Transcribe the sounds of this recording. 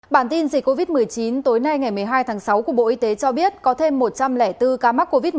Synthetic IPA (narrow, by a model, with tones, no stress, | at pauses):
ɓaː˧˩nt̪i˧nzi˨˩k̟kːo˧vi˦˥t̚mɨ˨˩əjt͡ɕi˨˦nt̪o˨˦jna˧jŋa˨˩jmɨ˨˩əjɦaː˧jt̪ʰaː˨˦ŋsa˨˦wku˧˩əɓo̰˧˨ʔi˧t̪e˨˦t͡ɕɔ˧ɓi˦˥ət̚kɔ˨˦t̪ʰe˧mːo˨˩t̚t͡ɕa˧mlɛ˧˩t̪ɨ˧kaː˧ma˦˥kːo˧vi˦˥t̚